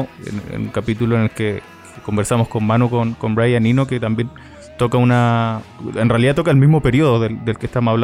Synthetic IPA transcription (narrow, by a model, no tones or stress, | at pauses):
ḛnḛnṵŋkapit̪uloene̞lke | kko̞mbeɾsamosko̞nmanukonko̞mbɾajaninoket̪ambje̞n | t̪okauna | enrealiðat̪o̞kaelmizmo̞pe̞ɾio̞ðoðeld̪elkest̪amosaβla